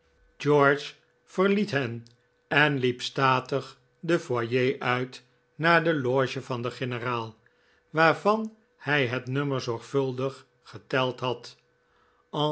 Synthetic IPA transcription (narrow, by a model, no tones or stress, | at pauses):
d͡ʒɔɹt͡ʃ | fəɹlitɦɛn | ɛnlipstaːtəχ | dəfwajejʔœɥt | naːɹdəloːʒəvɑndəχɪnəraːlˠ | ʋaːɹvɑn | hɛjɦɛtnøməɹzɔɹχfɵlˠdəχː | ətɛlˠtɦɑt | ɑ